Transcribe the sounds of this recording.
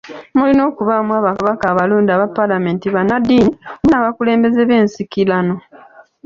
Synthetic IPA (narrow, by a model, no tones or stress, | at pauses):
mulino̞ːkuβamwaːβakaβakaːβaluːndiaβapːalame̞ːntiβanadːiːnimunaβakule̞ːmbe̞ze̞βe̞ːnsikilano̞